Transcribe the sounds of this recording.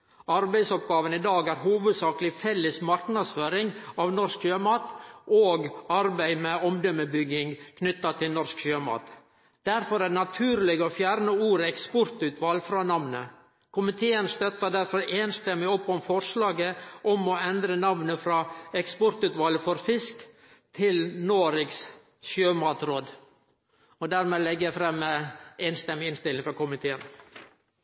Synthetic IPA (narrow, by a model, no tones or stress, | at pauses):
ɑɾbæɪsɔp̚ɡɑːʋənid̪ɑːɡæːɾɦuːʋəd̪sɑːkəlɪfɛlːəsmɑɾknɑd̪sføːɾɪŋɑʋnɔskɕøːmɑːt̪ʔoːɡɑɾbæɪmɛɔmd̪œməbʏɡːɪŋkʰnʏt̪ːɑt̪ʰɪlnɔɾskɕøːmɑ̰ːt̪ | d̪̥æɾfɔɾænɑt̪ʰʉːɾlɪɡəoːfjæːɾnəuːɾɛkspɔɾt̪ʉːt̪ʰʋɑlfɾɑːnɑʋnə | kʰʊmɪt̪ʰeːənst̪œt̪ːəd̪æɾfɔɾeːnst̪ɛmːɪɔpːɔmfɔɾʂlɑːɡəʔɔmɔɛnd̪ɾənɑʋnəfɾɑːɛkspɔɾt̪ʉt̪ʋɑːləfɔɾfɪsk | t̪ʰɪlnoːɾɪks | ʃøːmɑːt̪ɾoːd̪ | ɔd̪æɾmeːlɛɡːəjæfɾɛmːeːnst̪ɛmːɪɪnst̪ɪlɪŋfɔɾkʊmɪt̪ʰeːən